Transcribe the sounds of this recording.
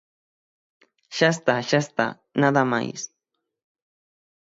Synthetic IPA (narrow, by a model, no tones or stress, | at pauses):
ʃast̪aʃast̪a̰ | nad̪ama̰js